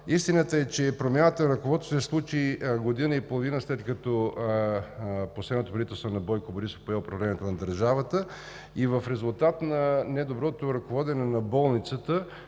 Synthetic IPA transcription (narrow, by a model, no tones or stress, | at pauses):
ist̪inət̪əɛt͡ʃɛpɾomʲjanət̪əɾɐkovɔt̪o̥sɛslˠut͡ʃiɡod̪inəipolˠovinəslɛt̪kɐt̪ɔ | poslɛd̪not̪opɾɐlit̪ɛlˠst̪vnɐbɔjkoboɾiso̥poɛʊpɾɐvlɛnijɛt̪onɐd̪əɾʒavət̪ə | ivəfɾɛzulˠt̪at̪nɐnɛd̪obɾɔt̪oɾɐkovɔd̪ɛnɛnɐbɔlˠnit̪sət̪ə